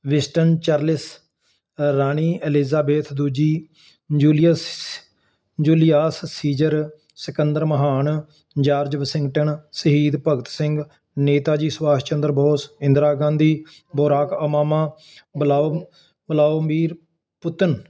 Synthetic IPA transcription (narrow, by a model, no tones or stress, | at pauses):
ʋɪsʈənt͡ʃaːɾlɪs | ɾaːɳ̃iːelɪzaːbeːt̪ʰd̪uːd͡ʒiː | d͡ʒuːlɪəs | d͡ʒuːlɪjaːssiːd͡ʒəɾ | səkənd̪əɾməɦaːn | d͡ʒaːɾd͡ʒʋəsɪ̃ŋɡʈəɳsəɦiːd̪pəɡət̪sɪ̃ŋɡ | neːt̪aːd͡ʒiːsʋaːst͡ʃənd̪əɾbʱoːsɪ̃nd̪ɾaːɡãːnd̪iː | boːɾaːkəmaːmaː | bəla | bəlaombiːɾ | pʊt̪ən